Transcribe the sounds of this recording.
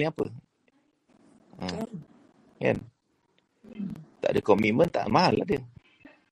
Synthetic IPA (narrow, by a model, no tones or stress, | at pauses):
iapə | ə | ŋa̰n | t̪a̰ʔdəkɔmimənt̪a̰ʔmaɦalːahdə